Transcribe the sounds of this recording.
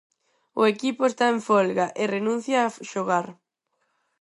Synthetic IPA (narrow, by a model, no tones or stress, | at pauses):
ʊ̰ekipʊest̪aeɱfɔlɣaʔɪrenũn̟θjaːʃoɣaɾ